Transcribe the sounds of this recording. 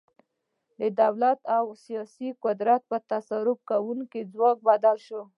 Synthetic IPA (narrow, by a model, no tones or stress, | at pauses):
d̪əd̪awlat̪awsijɑsikʊd̪ɾat̪̚pət̪asaɾʊb̚kawuŋkid͡zwɑk̚bad̪alʃo